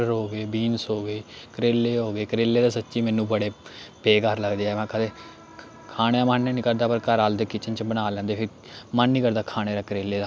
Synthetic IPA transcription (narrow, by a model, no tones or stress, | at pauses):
əɾɦoːɡeːbiːnsɦoːɡeːkəɾeːlːeːɦoːɡeːkəɾeːlːeːd̪aːsətːʃiːmɛːnːũːbəɽeːpeːkəɾləɡd̪eːɛːmãːkəd̪eː | kʰaːɽjãːmənːẽːnĩːkəɾd̪aːpəɾkəɾaːld̪eːkɪt͡ʃənt͡ʃbənaːlɛ̃ːnd̪eːpʰɪɾ | mənːĩːkəɾd̪aːkʰaːɽ̃eːɾaːkəɾeːlːeːd̪aː